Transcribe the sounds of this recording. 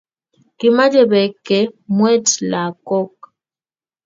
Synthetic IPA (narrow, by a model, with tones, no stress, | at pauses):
ki˨ma˦d͡ʒɛ˨bɛ˨kːɛ˨mwɛ˦tla˨kɔ˦k̚